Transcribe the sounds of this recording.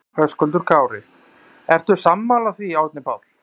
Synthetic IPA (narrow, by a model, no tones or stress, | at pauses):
hœskʏlt̪ʏɾ̥kʰaːwɾɪ | ɛr̥t̪ʏ̥samːalaθviaːwt̪nɪpaːwl